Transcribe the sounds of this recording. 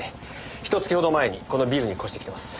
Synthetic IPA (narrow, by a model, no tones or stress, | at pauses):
e | çi̥t̪ot͡sɨ̥kʲiho̞d̪o̞mae̞ɲ̟ḭko̞no̞bʲiːɾɯ̟ɲ̟iko̞ɕi̥t̪eki̥t̪emasɨ̥